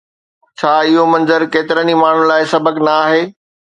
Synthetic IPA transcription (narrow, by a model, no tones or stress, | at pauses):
t͡ɕʰaːɪɦomɐ̃nzəɾkeːt̪ɪɾənimaːɳ̤ʊn̆laːɪsɐbəknɐːɦeː